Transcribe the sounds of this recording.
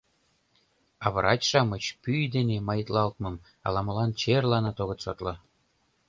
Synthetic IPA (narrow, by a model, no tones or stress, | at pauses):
ɑβɾʔɑt͡ɕʲʃɑmɤt͡ɕpyjd̪enemɑjət̪lɑlt̪mɤ̆m | ɑ̰lˠɑmɤ̆lɑnt͡ɕerlɑnɑt̪oɣɤ̆t̪sot̪lɤ̆